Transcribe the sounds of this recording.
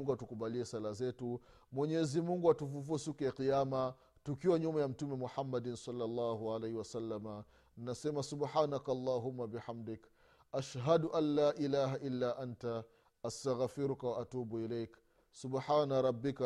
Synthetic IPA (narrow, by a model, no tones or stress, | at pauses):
ŋɡatukubaliesalazetu | moɲezimuŋɡuatufufosukeqijaːma | tukiwaɲomujamtumimuħamːadinsɔlːalːaːhualejhiwasalːama | nnːasɛmasubħaːnakaalˤːaːɦumːabɪħamdɪk | ʔaʃɦaduʔalːaːʔilaːɦaʔɪlːaʔanta | ʔastaɣfiɾukawaʔatuːbuilejk | subħaːnaɾˤɑbːɪka